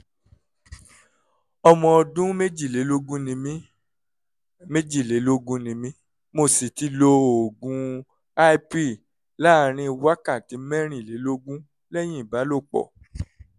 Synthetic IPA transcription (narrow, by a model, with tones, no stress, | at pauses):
ɔ˧mɔ̃˧ɔ˧dũ˦me˦d͡ʒi˨e˨˦lo˦ɡũ˦nĩ˧mĩ˦ | me˦d͡ʒi˦˨le˨˦lo˦ɡũ˦nĩ˧mĩ˦ | mo˧˨si˨ti˧˦lo˧o˨ɡũ˧˦ | a˦i˦pi˦˨ | la˦˨ɾ̃ĩ˧˦˧wa˦kã˦˨ti˨˦mɛ˦ɾ̃ĩ˦˨le˨˦lo˦ɡũ˦ | lɛ˦j̃ĩ˦˨ba˨˦lo˦˨k͡pɔ̰˨